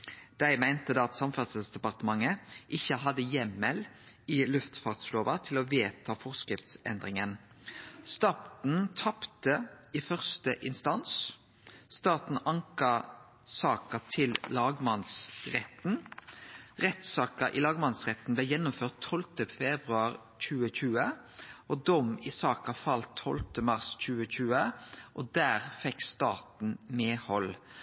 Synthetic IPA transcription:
d̪̥æɪmæɪnt̪əd̪ɑːɑt̪sɑmfɑʁt̪səsd̪ɛpɑʁt̪əmɑŋəʔɪçəɦɑd̪əjɛmːəl | ɪlʉft̪fɑːʁt̪sloːʋɑt̪ʰɪlɔʋeːt̪ʰɑːfɔʁskʁɪft̪sɛ̰nd̪ʁɪŋən | st̪ɑːt̪n̩t̪ʰɑpt̪əifœʁst̪əʔɪnst̪ɑns | st̪ɑːt̪n̩ɑŋkə | sɑːkət̪ʰɪllɑːɡmɑnsʁɛt̪n̩ | ʁɛt̪sɑːkəʔɪlɑːɡmɑnsʁɛt̪n̩blɛjɛnːʊmføːʁt̪ʰːɔlt̪əfɛbʁʉɑʁ | c͡çʉːəçʉːə | ʔɔd̪ɔmɪsɑːkɑfɑlt̪ʰːɔ̰lt̪əmɑʁsc͡çʉːəçʉːəʔɔd̪æːʁfɛkst̪ɑːt̪n̩meːhɔl

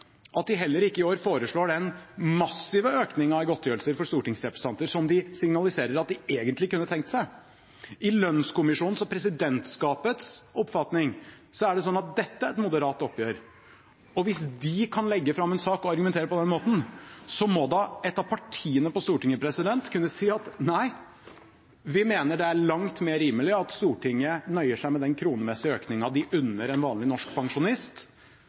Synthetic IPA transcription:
ʔɑt̪̚d̪ɪɦɛlːəɾɪkːəɪoːɾfoːɾəʂɭoːɖɛnmɑsːɪʋəøːknɪŋɑɡɔt̪ːjøːɾlsəɾfɔɾʂt̪uːʈɪŋsɾɛpɾɛst̪ɑnt̪əɾsɔmd̪ɪsɪŋnɑlɪseːɾəɾɑt̪̚d̪ɪeːɡənt̪lɪkʉnːət̪ʰɛŋk̚t̪sæɪ | ʔɪlœnskʊmɪʂuːnn̩sɔpʰɾɛsɪd̪ɛnt̪skɑːpət̪sɔpːfɑt̪nɪŋ | sɔæɖɛs̬ɔnːɑt̪̚d̪ɛt̪ːəæɾɛt̪mʊd̪əɾɑːt̪ɔpːjøːɾ | ɔʋɪsd̪ɪkʰɑnlɛɡːəfɾɑmːɛnsɑːkɔɑɾɡʉmɛnt̪eːɾəpɔd̪ɛnmoːt̪n̩sɔmɔd̪ɑɛt̪ːɑpʰɑʈʰiːənəpɔst̪uːʈɪŋːəpʰɾɛsɪd̪ɛnt̪kʰʉnːəsiːɑt̪næɪ | ʋɪmeːnəɖɛæɭɑŋt̪meːɾiːməlɪɑt̪st̪uːʈʰɪŋːənœʏəʂæɪmɛd̪ɛnkʰɾuːnəmɛsːɪøːknɪŋɑd̪ɪʔʉnːəɾɛnʋɑːnlɪnɔʂkpʰɑŋʂʊnɪst̪

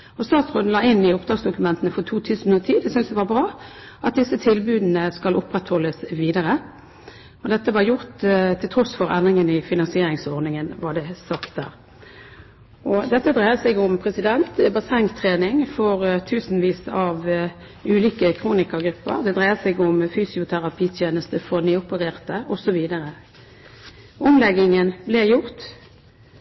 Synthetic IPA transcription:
ɔst̪ɑːt̪sʁɔnlɑːɪnːɪʊp̚d̪ʁɑːɡsd̪ʊkʉmɛnt̪ənəfɔt̪ʰuːt̪ʰʉːsn̩ʉnət̪ʰiːd̪ɛsʏnsd̪ɛʋɑbʁɑː | ɑt̪̚d̪ɪsːət̪ʰɪlbʉːd̪n̩əskɑlʔʊpːʁɛt̪hɔlːəsʋiːd̪əʁə | ɔd̪ɛt̪ːəʋɑɾjʊʁt̪t̪ʰːɪlt̪ʰʁɔsfɔɾɛnd̪ɾʁɪŋənɪfɪnɑnsɪeːɾɪŋsɔʁnɪŋənʋɑɖ̪ɛsɑkt̪̚d̪æ̰ːʁ | ɔd̪ɛt̪ːəd̪ʁæɪəsɛɡʊmpʰʁɛsɪd̪ɛnt̪bɑsɛŋt̪ʰʁeːnɪŋfɔʁt̪ʰʉːsn̩ʋiːsɑʋ | ʉːliːkəkʰʁuːnɪkɑɡɾʉpːə̰ʁd̪ɛd̪ʁæɪəsɛɡʊmfyːsɪʊt̪ʰæʁɑpʰiːt̪ʰjeːnəst̪əfɔʁnyːʊpəʁeːʁt̪əʔɔsɔʋiːd̪əʁə | ʔʊmlɛɡɪŋənblɛjʊʁt̪

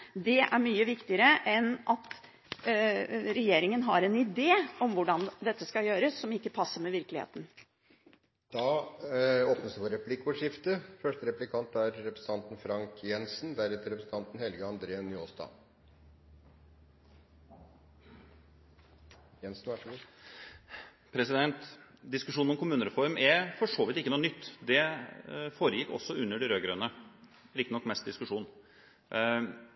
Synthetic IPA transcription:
d̪ɛʔæ̰ɾmyːəʋɪkt̪ɪəɾəʔɛnʔɑt̪ | ɾɛjeːɾɪŋənɦɑɾɛnɪd̪eːɔmʋʊɖɑnd̪ɛt̪ːəskɑjøːɾəsːɔmɪkːəpʰɑsːəmɛʋɪɾklɪhḛːt̪n̩ | d̪̥ɑ | oːpnəsd̪əʋoːɾɛplɪkːɔʂɪft̪əfœʂʈəɾɛplɪkʰɑnt̪æɾːɛpɾəsn̩ʰɑnt̪n̩fɾɑŋkʰjɛnsnd̪æɾɛt̪ːəɾɛpɾəsn̩t̪ɑnt̪n̩hɛlɡəɑnd̪ɾeːənːʏoːsd̪ɑ̰ː | jɛnsn̩ʋæʂɡu | pʰɾɛsɪd̪ɛnt̪d̪ɪskʉʂuːnɔmkʰʊmʉːnəɾɛfɔɾmɛfɔʂoːʋɪt̪ɪkːənuːnʏt̪ːd̪ɛ | foːɾəjɪkːɔ̰sːɔʉnːəɖɪɾøːɡɾøːnə | ɾɪkt̪ɪnɔkːmɛst̪̚d̪ɪskʉʂuːn

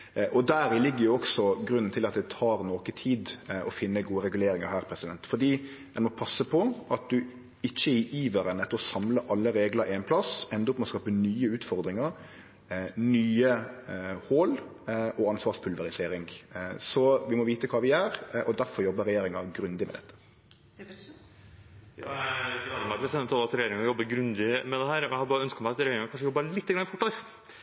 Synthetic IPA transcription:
ʔɔd̪æːɾɪlɪɡːəɾjʊɔksɔɡɾʉnːn̩t̪ʰɪlɑt̪̚d̪ɛt̪ʰɑːɾnoːkət̪ʰiːd̪ɔ̰fɪnːəɡuːəɾɛɡʉleːɾɪŋɑhæːɾpʰɾɛsɪd̪ɛnt̪fɔd̪iːd̪ɛnmɔpʰɑsːəpʰɔʔɑt̪̚d̪ʉ | ɪçːəɪʔiːʋəɾənɛt̪ːəɾɔsɑmləʔɑlːəɾeːɡləɾɪɛnpʰlɑsɛnd̪əʊpmɑskɑːpənyːəʉːt̪fɔɾd̪ɾɪŋɑɾ | nyːə | hoːlʔɔɑnsʋɑːʁʂpʰʉlʋəɾɪseːɾɪŋsɔʋɪmɔʋiːt̪əkʰɑːʋɪæːɾʔɔd̪æɾfɔɾjɔbːəɾɛjeːɾɪŋɑɡɾʉnd̪ɪmɛ̰d̪ɛt̪ʰːə̥ | jɑɡlɑd̪mæsɛnːət̪ʰɑlɑt̪ɾɛjeːɾɪŋɔjɔbːəɡɾʉnd̪ɪmɛd̪ɛhæːɾɔjæhɑd̪əbɑːəœnskət̪mæɑt̪ɾɛjeːɾɪŋɑkʰɑnʂəjɔbːɑlɪt̪ːəɡɾɑnɪfɔʈːɑ

